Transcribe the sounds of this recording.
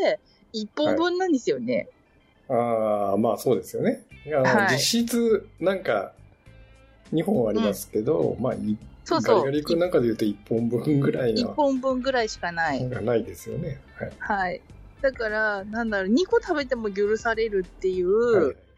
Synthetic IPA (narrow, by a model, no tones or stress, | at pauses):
ipːõmbɯ̟̃nːãnd̪esɨjo̞ne̞̰ | aːmaːso̞ːd̪e̞sɨjo̞ne̞anh̪od͡ʑiɕit͡sɨnãŋka̰ | ɲ̟iɦõ̞ɰ̃aɾʲimasɨ̥ke̞d̪o̞̰ma̰ːiso̞ːsɡoaaɾʲikɯnãŋkad̪e̞jɯ̟ːt̪oipːõ̞mbɯ̟̃ŋɡɯ̟ɾainiopːõ̞mbɯ̟̃ŋɡɯ̟ɾaiɕi̥kanaiɡanaid̪e̞sɨjo̞̰ne̞haihai | d̪̥akaɾanãnd̪aɾo̞ɲ̟iko̞t̪abe̞t̪e̞mo̞jɯɾɯ̟saɾe̞ɾɯ̟t̪ːe̞jɯ̟ː